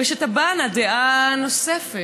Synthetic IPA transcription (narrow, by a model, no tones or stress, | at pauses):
eʃet̪abanad̪eʔanosefe